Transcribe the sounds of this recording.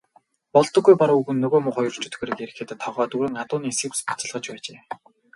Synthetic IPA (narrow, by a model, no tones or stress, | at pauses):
pɔɮt̪ɞ̆ɡːujpɔɾʊuɣɘ̆nːɵɣoːmʊχɔjɞ̆rr̥t͡ɕʰɵ̥t̪ɡːɾɘ̆ːkeɾɘ̆xeːt̪t̪ʰːɔʁɔːt̪uɾɘ̆ŋat̪ʊːniːsĭkspḁt͡sə̆ɮʁə̆t͡ɕpæːt͡ɕeː